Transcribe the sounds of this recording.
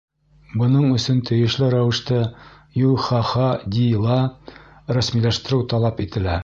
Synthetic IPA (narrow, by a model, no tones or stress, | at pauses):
bɤ̆nɤɴɵ̆sɵnt̪ʰɘ̆jɘ̆ʃlɘɾæwɘ̆ʃt̪ɤ | julˠχɑχɑd̪ʲilˠɑ | ɾæsmilæʃt̪ɘ̆ɾɘwt̪ɑlˠɑpit̪ɘ̆læ